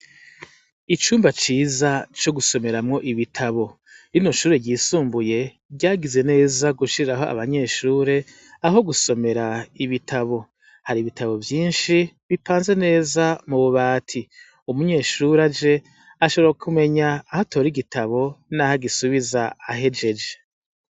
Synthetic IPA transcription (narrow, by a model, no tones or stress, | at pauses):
it͡ʃuːmbat͡ʃiːzat͡ʃo̞ɡuso̞me̞ɾamŋo̞ʔiβitʰaβo̞ | ɾino̞ʃuːɾe̞ɟiːsuːmbuje̞ | ɟaːɡize̞ne̞ːzaɡuʃiɾiɾaɦo̞a̰βaɲe̞ːʃuːɾe̞ | aɦo̞ɡuso̞me̞ɾaiβitʰaβo̞ | haɾiβitaβo̞vjiːnʃiβipʰaːnze̞ne̞ːzamuβuβaːtʰi | umuɲe̞ːʃuːɾad͡ʒe̞ | aʃoβoɾaokʰume̞ɲaːhatʰo̞ːɾiɡitʰaβo̞nahaɡisuβizaːɦe̞d͡ʒe̞d͡ʒe̥